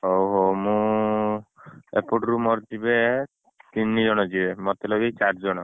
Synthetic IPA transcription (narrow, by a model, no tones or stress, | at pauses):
ɦowɦomũ | ḛpoʈɾumɔɾd͡ʒibe | t̪inːid͡ʒɔɽ̃ɔd͡ʒibemɔt̪elɔɡit͡ʃaʈʰd͡ʒɔɽ̃ɔ